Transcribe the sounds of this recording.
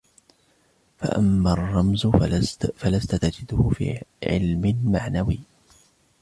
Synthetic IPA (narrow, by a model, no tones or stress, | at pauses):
fa̰ʔa̰mːarˤːɑmz | falast̪at̪ad͡ʒɪd̪ʊhʊfḭːʕɪ̰lmɪmaʕnawiː